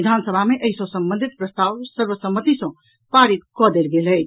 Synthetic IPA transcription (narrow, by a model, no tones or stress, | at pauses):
id̪ʱansəbʱameʔəjsõsəmbə̃nd̪ʱit̪̚pɾəst̪awsəɾbəsəmːət̪isʌ̃ | paɾit̪kʌd̪elɡeləj